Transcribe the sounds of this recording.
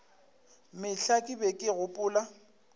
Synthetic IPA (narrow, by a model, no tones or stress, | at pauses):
mɪɬakʼɪbɛkʼɪɣʊpʼʊːla